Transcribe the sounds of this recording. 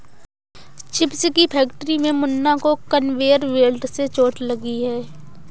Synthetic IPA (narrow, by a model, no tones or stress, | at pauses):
t͡ʃɪpskipʰɛːkʈɾimẽmʊnːakokənʋeːəɾʋeːlʈset͡ʃoːʈləɡiɦɛː